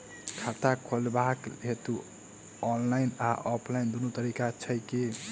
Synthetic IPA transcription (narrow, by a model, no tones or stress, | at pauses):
kʰat̪akʰolbakɦet̪u | ɔnlainaʔɔpʰlaɪnd̪unot̪əɾikat͡ʃʰəjke